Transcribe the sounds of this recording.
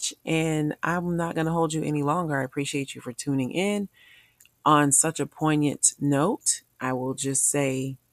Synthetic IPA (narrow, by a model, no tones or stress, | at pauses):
t͡ʃʔɨ̃nʔã̰ɪ̃mnət̚ɡ̥ʌnəɦoʊlˠd͡ʒɨʔɛ̰nilɔ̃ŋɡə˞aɪəpʰɹ̥iʃieɪt͡ʃɨfə˞tʰʉ̃nɪ̃ŋʔɪ̃n | ʔə̃nsʌt͡ʃɨpʰɔ̃ɪ̃njɨ̰̃nnoʊtʔaɪwɪlˠd͡ʒʌstseɪ